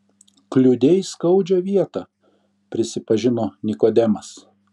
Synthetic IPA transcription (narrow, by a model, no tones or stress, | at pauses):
klʲʊd̪ʲɛɪskɐʊd͡ʒʲoʋʲiɛt̪ɐ | pʲɾʲɪsʲɪpɐʒʲɪnoːnʲɪkoːd̪ʲɛmɐs